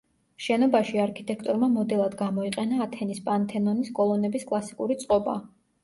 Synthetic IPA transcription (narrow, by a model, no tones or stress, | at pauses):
ʃɛnɔbaʃiaɾkʰit̪ʼɛkʰt̪ʼɔɾmamɔd̪ɛlˠad̪ɡamɔiqʼɛnaːt̪ʰɛnispʼant̪ʰɛnɔniskʼɔlˠɔnɛbiskʼlˠasi̥kʼuɾit̪sʼqʼɔba̰